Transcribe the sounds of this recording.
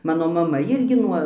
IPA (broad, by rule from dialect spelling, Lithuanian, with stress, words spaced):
ˈmɑːnoː mɐˈmɐ ˈɪrʲɡʲɪ ˈnuɔ